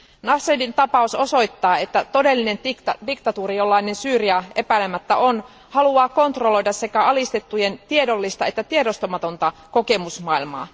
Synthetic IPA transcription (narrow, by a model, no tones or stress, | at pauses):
nɑsːedint̪ɑpɑuso̞so̞jt̪ːɑːe̞t̪ːæt̪o̞de̞lːine̞ndikt̪ɑt̪uːɾijo̞lːɑinensyːɾiɑe̞pæilemæt̪ːæʔo̞n | hɑluɑːko̞nt̪ro̞lo̞jdɑsːe̞kæɑlist̪e̞t̪ːuje̞nt̪iedo̞lːist̪ɑe̞t̪ːæt̪ie̞do̞st̪o̞mɑt̪o̞nt̪ɑko̞ke̞musmɑilmɑ̰ː